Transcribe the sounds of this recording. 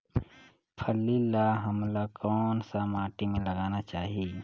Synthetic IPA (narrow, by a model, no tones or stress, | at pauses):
pʰəlːilaɦɐmlakɔːnsamaːʈimẽlɐɡaːnat͡ʃaːɦie